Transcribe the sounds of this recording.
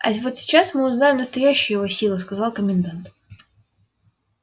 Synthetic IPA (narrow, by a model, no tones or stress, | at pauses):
ɐ̰vot̪sʲɪ̥t͡ɕasmɨʊznajɪmnəst̪ɐjæɕːɪjʊjɪvosʲilˠʊskɐzalˠkəmʲɪnd̪ant̪